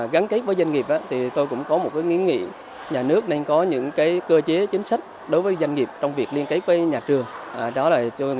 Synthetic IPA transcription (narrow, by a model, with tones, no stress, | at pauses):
ɣa˨˦nke˦˥t̚vəː˨˦jzwa˧jŋ̟ŋi˨˩p̚ʔaː˨˦t̪ʰi˨˩t̪o˧jkʊ̰˧˥ŋ͡mkɔ˨˦mo˨˩t̚kaː˨˦jŋi˨˦əŋḭ˧˥ | ɲaː˨˩nɨ˦˥ək̚na˧jŋkɔ˨˦ɲɨ̰˧˥ŋkaː˨˦jkəː˧t͡ɕe˨˦t͡ɕï˨˦ŋ̟sa˦˥k̟̚ | ɗo˨˦jvəː˨˦jza˧jŋ̟ŋi˨˩əp̚t͡ɕɔ˧wŋ͡mvi˨˩ək̚li˧ənkə˨˦˥t̚vəː˨˦jɲaː˨˩t͡ɕɨ˨˩əŋʔɗɔ˨˦laː˨˩t̪o˧j